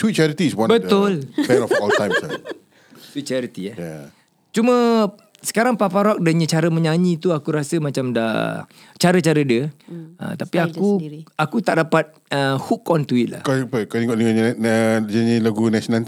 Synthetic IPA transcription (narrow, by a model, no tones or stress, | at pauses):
swit̚t͡ʃɛɾit̪iswãnbət̪ʊlbɛnɔɔlt̪ãjmsa̰ | swit̪̚t͡ʃɛɾit̪iaja | t͡ʃumə̃ | sə̥kaɾaŋpapaɾɔk̚dəɲə̃t͡ʃaɾəmə̃ɲaɲĩt̪uakuɾasəmat͡ʃamda̰ | t͡ʃaɾət͡ʃaɾədiəə̰t̪apiakuakut̪aʔdapat̪̚ | əhukɔnt̪uit̪̚la̰hkpəkaiŋɔʔliŋaɲəd͡ʒaɲĩlaɡunasonan